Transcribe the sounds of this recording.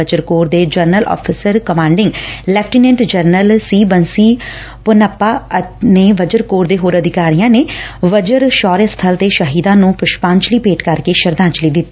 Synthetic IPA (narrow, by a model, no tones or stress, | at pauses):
əd͡ʒəɾkoːɾd̪eːd͡ʒəɾnəlʔɔ̰ːpʰɪsəɾkəmãːɳɖɪ̃ŋɡlɛːpʰʈinɛ̃ːɳʈd͡ʒəɾnəlsiːbənsiː | pʊnəpːaːəneːʋəd͡ʒəɾkoːɾd̪eːɦoːɾəd̪ɪkaːɾijãːneːʋəd͡ʒəɾʃɔːɾest̪ʰəlt̪eːʃəɦiːd̪ãːnũːpʊʃpãːɲt͡ʃliːpeːʈkəɾkeːʃəɾd̪ãːt͡ʃliːd̪ɪt̪ːi